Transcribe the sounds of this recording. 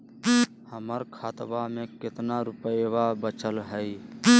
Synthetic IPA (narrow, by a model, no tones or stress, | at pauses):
həməɾkʰat̪bamẽkɪt̪naɾupəbabət͡ʃəlɦəj